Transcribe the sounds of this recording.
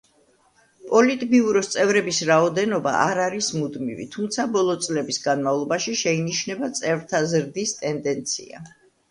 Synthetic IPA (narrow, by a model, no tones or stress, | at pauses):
pʼɔlit̪ʼbiuɾɔst̪sʼɛvɾɛbisɾaɔd̪ɛnɔba̰ʔaɾaɾismud̪mḭvḭt̪ʰumt̪sʰabɔlˠɔt̪sʼlɛbisɡanmavlˠɔbaʃiʃɛiniʃnɛbat̪sʼɛvɾt̪ʰazɾd̪ist̪ʼɛnd̪ɛnt̪sʰḭa̰